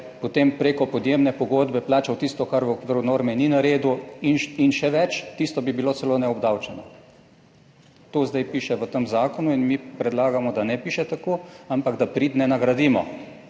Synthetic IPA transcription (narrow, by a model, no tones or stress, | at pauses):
pot̪empɾeːkɔpɔd̪jemnɛpɔɡod̪bɛplaːt͡ʃawt̪ist̪ɔkaɾʋəokʋiɾunoːɾmɛninaɾeːd̪uinʃinʃɛʋɛt͡ʃt̪ist̪ɔbibilosɛloːnɛɔbd̪awt͡ʃɛnɔ | t̪oːzd̪ajpiʃɛʋət̪əmzaːkɔnuinmipɾɛd̪laːɡamɔd̪anɛpiːʃɛt̪akoampaɡd̪apɾiːt̪nɛnaɡɾad̪iːmɔ